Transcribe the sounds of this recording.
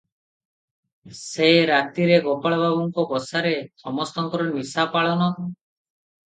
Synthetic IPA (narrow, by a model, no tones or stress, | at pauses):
seɾat̪iɾeɡɔpaɭbʱabɔŋkɔbɔsaɾesɔmɔst̪ɔŋkɔɾɔmisapaɭɔnɔ